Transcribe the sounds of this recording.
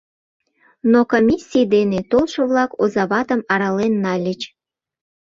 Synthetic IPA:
nokomʲisʲːijd̪enet̪olʃoβlɑkozɑβɑt̪əmɑɾɑlenːɑlʲət͡ɕ

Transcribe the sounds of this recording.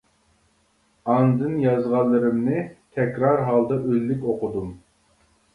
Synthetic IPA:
ɑnd̪ɨnjɑzʁɑllˠːɨɾɨmnɨt̪ʰɛkʲɾɑɾɦɑlˠd̪ɑʔølːykʲoqʊd̪um

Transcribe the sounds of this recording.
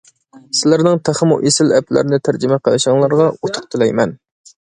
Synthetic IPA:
sɪlæɾnɪŋt̪ʰæχəmṵʔesɪlɛplæ̰ɾnɪt̪ʰæɾd͡ʒɪmɛqʰəlˠɨʃəŋlˠɑɾʁɑut̪ʰʊ̥q̚t̪ʰɨlɛjmɛn

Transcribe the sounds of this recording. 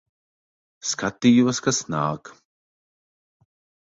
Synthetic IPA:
skat̪ijuwaskasna̰ːk

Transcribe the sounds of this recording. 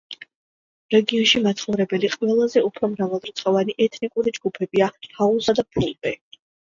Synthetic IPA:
ɾɛɡiɔnʃimat̪sʰχɔɾɛbɛliqʼvɛlˠazɛupʰɾɔmɾavɛlˠdɾt̪sʰʼχɔvaniʔɛt̪ʰnikʼuɾid͡ʒɡupʰɛbiahaulˠsad̪apʰulˠbɛ

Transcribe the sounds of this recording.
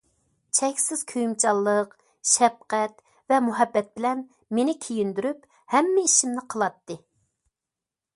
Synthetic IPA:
t͡ʃʰɛkʲsɪz̥kʲʰøjmt͡ʃʰɑlˠːəq | ʃɛp̚qɛt̪ | vɛmuɦɛbːɛt̪̚bɪlɛn | menɪkʲʰijynd̪yɾyp | hɛmːɪiʃimnɪqʰəlˠɑt̪ːɨ

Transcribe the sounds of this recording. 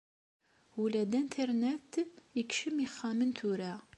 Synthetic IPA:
ulæd̪ænt̪ʰəɾnɛt̪ːikʃəmiχːæmənt̪ʰuɾæ

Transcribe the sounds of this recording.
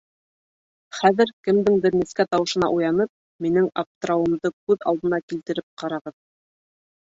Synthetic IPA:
χæðɘɾkɘ̆md̪ɘŋbɘɾnɘ̆skæt̪ɑwɤ̆ʃɤ̆nɑ̰ʔujɑnɤp̚ | minɘŋa̰ft̪raomd̪ɤkʉðɑ̰lˠd̪ɤ̆nɑkilt̪ɘ̆ɾɘp̚qɑɾɑʁɤð

